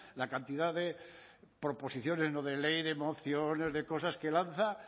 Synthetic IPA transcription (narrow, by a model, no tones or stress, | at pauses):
lakant̪iðaðe̞pɾo̞po̞siθjo̞ne̞znoðe̞le̞jðemo̞θjone̞zðe̞ko̞saske̞lanθa